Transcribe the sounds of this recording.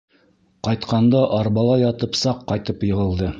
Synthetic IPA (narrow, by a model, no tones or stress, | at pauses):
qɑjt̪qɑnd̪ɑʔɑɾbɑlˠɑjɑt̪ɤpsɑqːɑjt̪ɤpjɤ̆ʁɤ̆lˠd̪ɤ